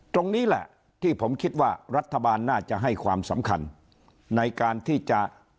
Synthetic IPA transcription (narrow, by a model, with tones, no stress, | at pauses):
t̪o˧ŋniː˦˥lɛ̰˨˩ʔ | t̪ʰiː˥˩pʰo˩˦mkʰi˦˥t̪̚waː˥˩ɾa˦˥t̪ʰːa˧baː˧nːaː˥˩t͡ɕa˨˩ɦa˥˩jkʰwaː˧msa˩˦mkʰa̰˧nː | a˧jkaː˧nt̪ʰiː˥˩t͡ɕa˨˩ʔ